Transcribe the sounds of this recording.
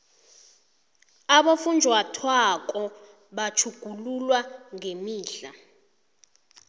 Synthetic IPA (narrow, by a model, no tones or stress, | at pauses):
aɓafund͡ʒʱwatʰwak̬ʼɔ | ɓat͡ʃʰuɡ̥ʱululwaŋemiːɬa